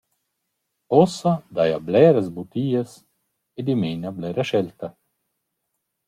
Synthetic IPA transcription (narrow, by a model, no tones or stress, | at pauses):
ɔsad̪ajablɛːɾɛzbut̪iːes | ed̪imeːnablɛɾaʃɛlt̪a